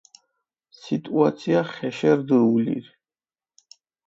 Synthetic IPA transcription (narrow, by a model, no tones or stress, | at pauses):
sit̪ʼuat̪sʰiaχɛʃɛɾd̪ulḭɾ